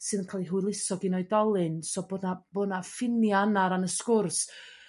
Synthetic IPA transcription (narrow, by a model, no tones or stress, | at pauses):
sɨðənkʰaːlˠiɦuɨlˠɪsɔɡinɔɨdɔlˠɨnsɔboːdnab̥oːdnafɪnjaanaɾanəskʊrs